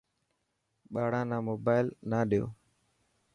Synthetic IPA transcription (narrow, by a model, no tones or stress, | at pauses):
ɓaːɽãːnãːmoːbaːɪlnaːɗɪjo̰ː